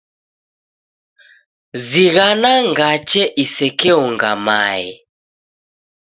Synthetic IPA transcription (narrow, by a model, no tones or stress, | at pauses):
ziɣanaŋɡat͡ʃɛʔisɛkɛɔŋɡama̰ɛ̰